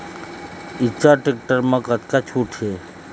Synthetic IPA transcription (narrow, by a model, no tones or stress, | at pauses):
it͡ʃʰaʈek̚ʈəɾmãkət̪kat͡ʃʰuʈʰɦe